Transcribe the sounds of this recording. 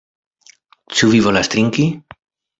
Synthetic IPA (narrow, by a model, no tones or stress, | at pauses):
t͡ʃuvivo̞last̪ɾiŋki